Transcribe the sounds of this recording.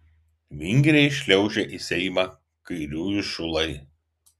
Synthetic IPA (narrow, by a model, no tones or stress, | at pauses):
ʋʲɪŋʲɡʲɾʲɛɪʃʲlʲɛʊʒʲɛʔisʲɛɪmɑː | kɐɪɾʲuːjʊʃʊlˠɐɪ